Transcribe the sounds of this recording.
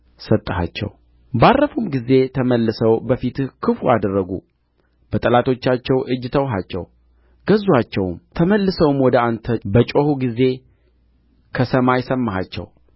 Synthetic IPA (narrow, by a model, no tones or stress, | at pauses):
sət̪ʼːəɦa̰t͡ʃːɛ̰w | barːəfumɡize̞t̪ʰəməlːɨsəwbəfit̪kʰɨfuad̪ərːəɡṵ | b̥ət̪ʼəlat̪ʰo̞t͡ʃːat͡ʃːɛwʔɨd͡ʒːt̪ʰəwɦat͡ʃːɛ̰w | ɡ̥əzːuat͡ʃːɛwmt̪ʰəməlːɨsəwmwɔd̪əant̪ʰəbət͡ʃʼo̞huɡize̞ | kʰəsəmajsəmːaɦa̰t͡ʃːɛ̰w